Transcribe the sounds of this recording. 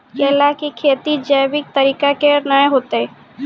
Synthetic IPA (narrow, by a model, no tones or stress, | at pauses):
kelaːkikʰeːt̪id͡ʒɐːbɪk̚t̪əɾiːkakenaeɦoːt̪eɛ